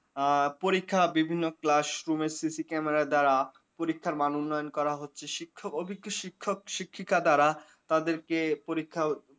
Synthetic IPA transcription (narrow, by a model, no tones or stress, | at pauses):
poɾikʰːabibʱinːoklaʃɾumeɾsisikɛmeɾad̪aɾa | poɾikʰːaɾmanunːɔjonkɔɾaɦotːɕʰeʃikʰːokobʱikʰːoʃikʰːok̚ʃikʰːikʰad̪aɾa | t̪ad̪eɾkepoɾikʰːa